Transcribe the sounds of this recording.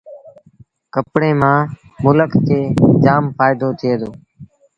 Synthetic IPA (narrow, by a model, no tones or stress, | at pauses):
kəpɽeːmãː | mʊləkkʰeːd͡ʒaːmfaːɪd̪oːt̪ʰɪeːd̪oː